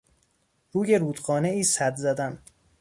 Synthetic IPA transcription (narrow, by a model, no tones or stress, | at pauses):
ɾuːje̞ɾuːd̪ɢɒːne̞iːsæd̪zæd̪æn